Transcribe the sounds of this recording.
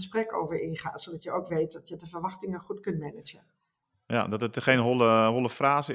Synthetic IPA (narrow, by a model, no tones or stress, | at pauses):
sprɛko̰ːwvərɪnχa̰ːsodɔtjəoːkʋeːt̚dɔtjədəfərʋɑxtɪŋəχutkɵntmɛnəd͡ʒən | ja̰dɔtətχeːnɦoləɦolˠəfraːs